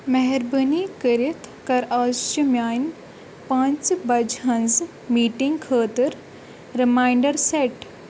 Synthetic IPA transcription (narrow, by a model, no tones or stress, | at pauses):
mɐɦɛɾbənikəɾit̪ʰkɐɾaːst͡ʃimjaːjn | pãːnt͡ʃbɐd͡ʒɦɐnz | miːʈĩŋɡkʰəːt̪əɾ | ɾimaːjɳɖɐɾseʈ